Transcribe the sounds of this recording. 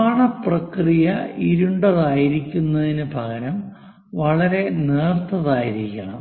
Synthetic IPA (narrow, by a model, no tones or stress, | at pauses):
aːɳɐprɐkrijɐiɾuɳɖɐðaːjiɾikʲːunːɐðinɨpɐɣɐɾɐm | ʋɐɭɐɾe̞neːrt̪ʰːɐðaːjiɾikʲːɐɳɐm